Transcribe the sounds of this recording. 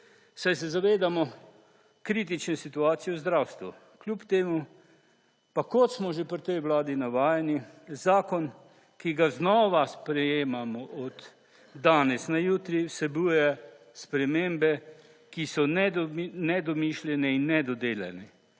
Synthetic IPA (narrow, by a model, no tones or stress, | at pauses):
sajs̬ɛzaʋeːd̪amɔ | kɾiːt̪̬it͡ʃnesit̪uaːt̪sijɔwzd̪ɾawst̪ʋṵ | klʲupt̪eːmu | pakɔt̪smɔʒepɾt̪ɛjwlaːd̪inaʋaːjanizaːkɔn | kiɡaznɔʋaspɾɛjeːmamɔʔɔd̪ː | aːnɛsnajuːt̪ɾisɛbuːjɛ | spɾɛmembɛ | kisɔnɛnɛd̪ɔmiʃljɛnɛinːɛd̪ɔd̪eːljɛ̰nɛ